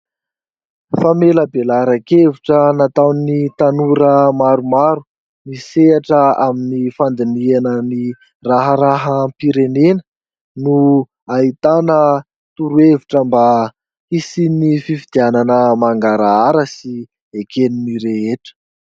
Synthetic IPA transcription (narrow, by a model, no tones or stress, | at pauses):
fameləbelaɾakeviʈ͡ʂənat̪awnit̪anuɾəmaɾumaɾu̥ | niseaʈ͡ʂəaminifand̪inianəni | raɦəɾaɦəmpiɾenenə | nu | ait̪anə | t̪uɾueviʈ͡ʂəmba | isinififid̪iananəmaŋɡaɾaaɾəsi | ekeniniɾeɦeʈ͡ʂə̥